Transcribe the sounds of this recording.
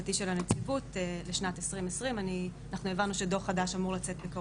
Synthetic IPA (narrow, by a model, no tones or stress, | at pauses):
atiʃelanet͡sivuteleʃnatesʁimesʁimanianaχnue̞vanuʃe̞do̞χadaʃamuʁlat͡setbeka